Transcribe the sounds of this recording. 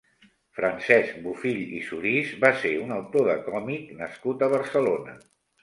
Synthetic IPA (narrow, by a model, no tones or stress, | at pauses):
fɾənsɛsk̚bufiʎḭsuɾizbaseunəwt̪oðəkɔmiknəskut̪əβ̞əɾsəlonə̰